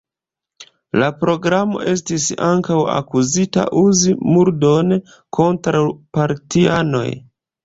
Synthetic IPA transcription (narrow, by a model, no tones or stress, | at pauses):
lapɾo̞ɡɾamo̞̰ʔe̞s̬tisaŋkawa̰kuzita̰ʔuzimuɾdo̞n | kʰo̞ntɾawpaɾtiano̞̰j